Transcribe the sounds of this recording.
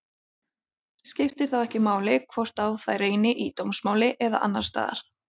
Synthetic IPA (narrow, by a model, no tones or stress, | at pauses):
scɪft̪ɪɾ̥θaðɛhcɪmaːwlɪkʰvɔr̥t̪awθajreːjnɪʔit̪owmsmaːwlɪʔɛða̰ʔa̰nːa̰̥st̪a̰ːða̰ɾ̥